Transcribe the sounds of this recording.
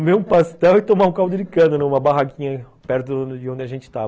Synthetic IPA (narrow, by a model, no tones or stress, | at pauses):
meũpast̪ɛwɪt̪omaũkawʊd̪ɪlɪkɐ̃d̪ʊnɛ̃ũmɐbaɦakĩɲɐ | pɛɾt̪ʊɪõnd͡ʒɪaʒẽnt͡ʃɪ̥t̪a